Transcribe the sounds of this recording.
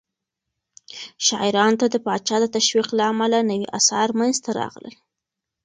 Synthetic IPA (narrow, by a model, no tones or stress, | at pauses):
ʃɑɪɾɑnt̪ad̪əpɑt͡ʃɑd̪ət̪aʃwiqlaamalanəwiʔa̰sɑɾmanzt̪aɾɑ̰ɣlə̰l